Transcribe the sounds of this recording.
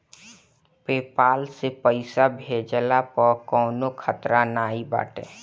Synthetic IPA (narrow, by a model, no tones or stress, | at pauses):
peːpaːlsepəɪsabʱeːd͡ʒəlapɔkɔːnokʰət̪ɾanaːiba̰ːʈḛ̃ː